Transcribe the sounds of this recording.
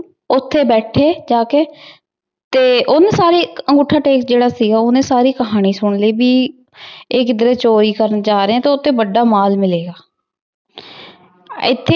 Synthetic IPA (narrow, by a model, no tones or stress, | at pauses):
ʊt̪ʰːeːbɛːʈʰeːd͡ʒaːkeː | t̪eːʔʊnsaːɾiːəŋɡʊʈʰːaːʈeːksd͡ʒeːɽaːsiːɡaːʊnẽːsaːɾiːkəɦaːɽ̃iːsʊɳliːbiː | ɪkd̪əɾeːt͡ʃoːɾiːkəɾənd͡ʒaːɾeɛ̃ːt̪eːʊt̪ʰːeːbəɖːaːmaːlmɪleːɡaː | ɪ̰t̪ʰːe